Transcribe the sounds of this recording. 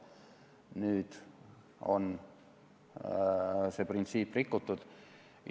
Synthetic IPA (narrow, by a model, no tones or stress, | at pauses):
nyːd̪̥ | o̰n | seprint̪siːpːrikːut̪ːud̪̥